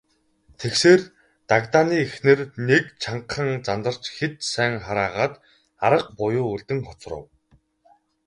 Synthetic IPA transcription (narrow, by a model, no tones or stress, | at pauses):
t̪ʰekseːr | t̪akt̪aːniːexnɘ̆rnekt͡ɕʰaɴqχə̆ŋt͡sant̪ə̆r̥t͡ɕxet̪sæːŋχaɾaːʁaːt̪ | aɾə̆q̚pʊjʊːuɮt̪ɘ̆ŋχɔt͡srə̰̆w